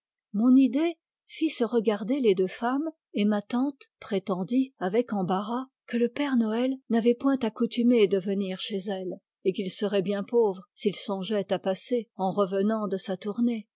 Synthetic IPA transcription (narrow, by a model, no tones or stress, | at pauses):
mɔ̃nid̪e | fisəʁəɡaʁd̪eled̪øfam | emat̪ɑ̃t̪pχet̪ɑ̃d̪iavɛkɑ̃baʁakələpɛʁnɔɛlnavɛpwɛ̃t̪akut̪ymed̪əvəniʁʃezɛl | ekilsəʁɛbjɛ̃povʁsilsɔ̃ʒɛt̪apaseɑ̃ʁəvənɑ̃d̪əsat̪uʁne